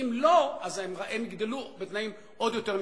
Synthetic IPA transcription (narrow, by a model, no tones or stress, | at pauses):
imloazemʁaʔemiɡd̪elubet̪naim | o̞d̪jo̞t̪eʁm